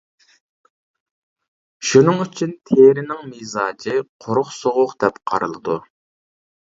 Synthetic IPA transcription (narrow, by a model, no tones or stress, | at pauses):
ʃunɨŋyt͡ʃʰynt̪ʰeɾɪnɪŋmizɑːd͡ʒɨqʰoɾʊχsoʁʊqd̪ɛpqʰɑ̰ɾɨlˠɨd̪u